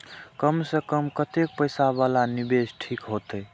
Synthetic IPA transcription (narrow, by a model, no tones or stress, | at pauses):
kəmsəkəmkət̪ek̚pəjsaβalanibesʈʰikɦot̪əj